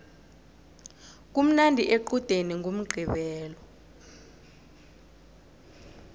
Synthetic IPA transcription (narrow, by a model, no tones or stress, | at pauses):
k̬um̩nandʱiʔeǃud̥ʱeniŋʱom̩ɡ͡ǃʱiɓɛːlɔ